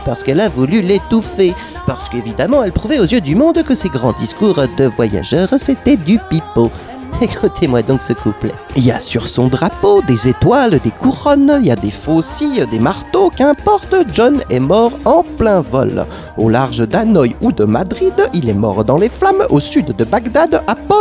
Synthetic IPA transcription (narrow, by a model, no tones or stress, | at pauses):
paʁsə̥kɛlavulylet̪ufe | paʁsə̥kevid̪amɑ̃ɛlpχuvɛozjød̪ymɔ̃d̪kəseɡʁɑ̃d̪iskuʁd̪əvwaja̰ʒœʁset̪ɛd̪ypipo | ekɔt̪ʰemwad̪ɔ̃ksəkʰuplɛ̰ilja̰syʁsɔ̃d̪ʁapod̪ezet̪wald̪ekuʁɔniljad̪efosid̪emaʁt̪okɛ̃pɔʁt̪ʒɔnɛ̰mɔʁɑ̃plɛ̃vɔ̰l | o̰laʁʒəd̪anɔjud̪əmad̪ʁid̪ilɛmɔ̰ʁd̪ɑ̃leflamosyd̪ːəbaɡd̪ad̪apɔ